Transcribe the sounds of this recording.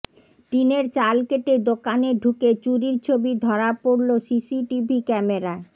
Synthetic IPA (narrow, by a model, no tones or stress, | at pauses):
ʈineɾt͡ɕalkeʈed̪okaneɖʱuket͡ɕuɾiɾt͡ɕʰobid̪ʱɔɾapoɾlosisiʈibʱikɛmeɾa